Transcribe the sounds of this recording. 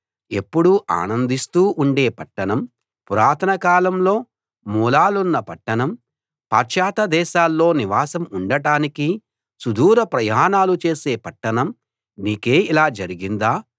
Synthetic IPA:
e̞pːuɽuʔa̰ːnɐnd̪ist̪uːʔuɳɖe̞ːpɐʈːɐɳɐm | puɾaːɾt̪ʰɐnɐkaːlɐmlo̞ː | muːlaːlunːɐpɐʈːɐɳɐm | paːɾʃaːt̪ɐd̪ɛːʃaːlːo̞ːniʋaːsɐmuɳɖɐʈaːniki | sud̪uːɾɐpɾɐjaːnaːlut͡ʃe̞ːse̞ːpɐʈːɐɳɐm | niːke̞ːilaːd͡ʒɐɾiɡind̪aː

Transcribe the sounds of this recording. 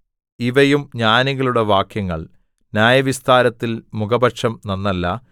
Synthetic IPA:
iʋɐjumɲaːniɣɐɭuɽeʋaːkjɐŋːɐ̰ɭ | njaːjɐʋist̪aːɾɐt̪ːilmuɡɐbɐʈʂɐmnɐnːɐlːɐ

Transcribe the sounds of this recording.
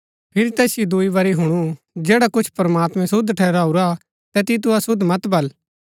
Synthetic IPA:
pʰɪɾit̪ɛːsɪjid̪ʊibɐɾiɦʊɽ̃u | d͡ʒɛːɽakʊt͡ʃʰpɐɾmaːt̪mɛ̃sʊd̪ʈʰɛːɾaːuɾa | t̪ɛt̪it̪̬uasʊd̪ʱmɐt̪bɐl

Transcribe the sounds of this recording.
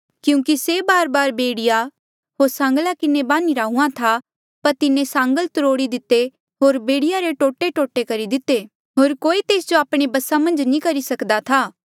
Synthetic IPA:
kjũːkisebaːɾbaːɾbeːɽɪja | ɦoːɾsãːŋɡlakɪnebãːniɾaːũãt̪ʰa | pɐɾt̪ɪnẽsãːŋɡəlt̪ʊɾoːɽid̪ɪt̪ːe | ɦoːɾbeːɽɪjaɾeʈoːʈeʈoːʈekɐɾid̪ɪt̪ːeː | ɦoːɾkoːit̪eːsd͡ʒoaːpɽ̃ebɐsamɐ̃nd͡ʒnĩkɐɾisɐkd̪at̪ʰaː

